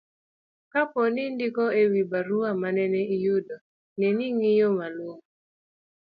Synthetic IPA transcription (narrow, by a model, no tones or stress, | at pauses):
kapɔnɪndɪkɔewibaɾuamanɛnɛijodɔ | nɛniŋijomalwoŋ